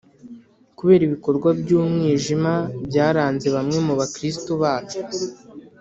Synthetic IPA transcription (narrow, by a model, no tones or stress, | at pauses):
kuβe̞ːɾiβiko̞ɾɡwabɟuːmŋiːʒimabɟaːɾaːnze̞βamŋe̞muβakɾis̬tuβaːt͡ʃo̥